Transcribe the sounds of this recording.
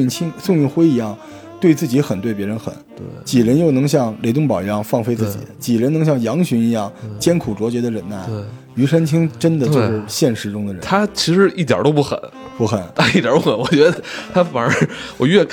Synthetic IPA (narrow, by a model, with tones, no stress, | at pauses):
t͡ɕʰi˥ŋsʊ˥˧ŋy˥˧nxwe˥ɪi˧˥jɑ˥˩ŋ | t̪we˥˧ɪt͡sɹ̩˥˩t͡ɕi˧˥xə˨˩nt̪we˥˩ɪp̬jɛ˧˥ɻə˧˥nxə̰˨˩˦nt̪t͡ɕi˨˩ɻə˧˥njo˥˩ʊnɤ˧˥ŋɕ̬jɑ˥˩ŋle˧˥ɪt̪ʊ˥˧ŋp̬ɑ˨˩ʊi˧˥jɑ˥˧ŋfɑ˥˩ŋfe˥ɪt͡sɹ̩˥˩t͡ɕḭ˨˩˦t͡ɕi˨˩ɻə˧˥nɤ˧˥ŋɕjɑ˥˩ŋjɑ˧˥ŋɕy˧˥ni˧˥jɑ˥˩ŋt͡ɕjɛ˥nkʰu˨˩ʈ͡ʂwɔ˧˥t͡ɕɥɛ˧˥d̪ə˧ɻə˧˥˩na˥˩ | y˧˥ʂə˥nt͡ɕʰi˥ŋʈ͡ʂə˥nd̪ə˨t͡ɕo˥˧ʊʂɻ̩˥˩ɕjɛ˥˩nʂɻ̩˧˥ʈ͡ʂʊ˥ŋd̪ə˨˩ɻə˥˦t̪ʰa˥t͡ɕʰi˧˥ʂɻ̩˧˥ʔi˥˩t̪̬jɑ̰˨˩˥t̪o˥ʊp̬u˥˩xə̰˨˩˦n | pu˥˩xə˨˩˦nt̪ʰa˥i˥˩ja̰˨˥pxə˨˩˦nwɔ˨˩t͡ɕɥɛ˧˥d̪ə˧t̪ʰa˥fa˨˩nə˞˧˥wɔ˨˩ɥɛ˥˩